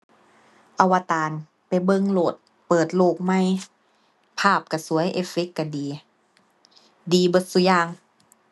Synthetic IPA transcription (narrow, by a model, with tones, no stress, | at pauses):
ʔa˧˩wa˧t̪aː˨˧n | pa˨jbɤ˧˨ŋloː˨˩t̪̚ | pɤː˨˩t̪̚loː˧˩k̚ma˥˩˨j | pʰaː˥˩p̚ka˧˩su˨˦ɐjʔeː˧˥fe˦˥kːa˧˩diː˨ | diː˧bo˧˦t̪̚su˧˦jaː˧˩ŋ